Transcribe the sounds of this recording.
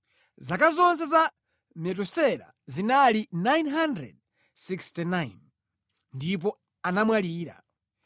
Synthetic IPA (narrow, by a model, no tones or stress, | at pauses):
zakazɔnsɛza | mɛt̬usɛɾa̰ | zinalinajnɦandɾɛ̰d̚ | sikstinajn | ndip̬ɔ | anamwaliːɾa̰